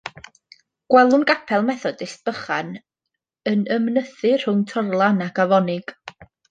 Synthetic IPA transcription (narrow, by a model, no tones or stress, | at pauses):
ɡ̥wɛlˠʊnɡapʰɛlˠmɛθɔdɪsb̥əχan | ənəmnəθɨr̥ʊŋtʰɔrlˠanaɡavɔnɪɡ̥